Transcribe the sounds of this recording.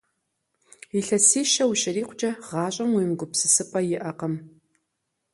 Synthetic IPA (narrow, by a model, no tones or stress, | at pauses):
iɬɐsiːʃɐwuɕʼɪɾiːqʷʰʊd͡ʒɐʁɑːɕʼɐmwiːmɡʷʊpsɨsɨpʼɐjɪʔɐqɐm